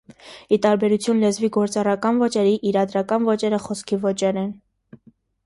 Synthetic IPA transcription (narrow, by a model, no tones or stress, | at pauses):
it̪ɑɾbɛɾut͡sʰjunlɛzviɡɔɾt͡sɑrɑkɑnvɔt͡ʃɛɾiʔiɾɑd̪ɾɑkɑnvɔt͡ʃɛɾəχɔskʰivɔt͡ʃɛɾɛn